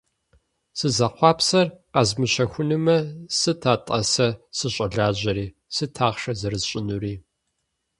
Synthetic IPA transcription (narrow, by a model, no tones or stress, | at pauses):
sɨzɐqʷɑːpsɐrqɐzmɨɕɐxʷʊnɨmɐsɨtʰaːtʼɐ̰sɐsɨɕʼɐɮaːʑɐɾiː | sɨtʰaːʁʂɐzɐrɨzɕʼɪnuriː